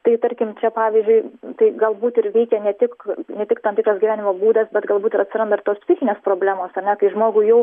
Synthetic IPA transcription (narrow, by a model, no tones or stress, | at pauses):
t̪ɐɪt̪ɐɾʲkʲɪmt͡ʃʲɛpɑːʋʲizʲd͡ʒʲʊɪt̪ɐɪɡɐlˠbuːt̪ɪrʋʲɛɪkʲɛnʲɛt̪ʲɪknʲɛt̪ʲɪkt̪ɐnt̪ʲɪkɾɐsɡʲɪʋæːnʲɪmoːbuːd̪ɐsbʲɛt̪ɡɐlˠbuːt̪ɪɾɐt̪ʲsʲɪɾɐnd̪ɐɪɾt̪oːspʲsʲɪxʲɪnʲeːspɾoːbʲlʲæːmoːsɐrʲnʲɛkɐɪʒmoːɡuːjɛʊ